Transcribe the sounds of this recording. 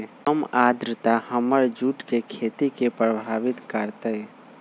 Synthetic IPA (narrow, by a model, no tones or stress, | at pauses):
əmad̪ɾət̪ahəməɾd͡ʒuːʈkekʰeːt̪ikepɾəbʱaːʋɪt̪kəɾt̪e